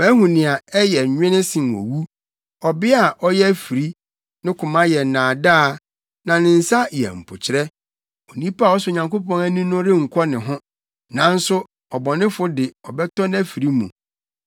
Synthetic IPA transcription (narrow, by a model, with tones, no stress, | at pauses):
bæ̃˦ɦũ˨nɪ̃˨a˨ɛ˦jɛ˨ɲᶣɪ̃˦nɪ̃˦sɪ̃˨n˨o̰˨wu˦ | ɔ˨bɪ˦a˨ʔɔ˦jɛ˦fi˨ɾi˦ | nɪ̃˦kʰʊ̃˨mã˦jɛ˨n̩˨nãː˨daː˦ | nã˨nɪ̃˨n̩˨sa˦jɛ̰˨m̩˨pʰʊ˨t͡ɕʰɪ˨ɾɛ˦ | o˨nĩ˦pa˦˨ɔ˦sʊ˦˨ɲã˨ŋko˦pʰɔ̃˦næ˦nĩ˦nʊ̃˦ɾɪ˦ŋ̩˨kʷʰɔ˦nɪ̃˨ɦʊ̃˦ | nã˨n̩˦sʊ˦ | ɔ˨bɔ˨nɪ̃˦fʊ˦dɪ˨ɔ˨bɛ˦tɔ˦n˦æ˦fi˨ɾi˦mṵ̃˨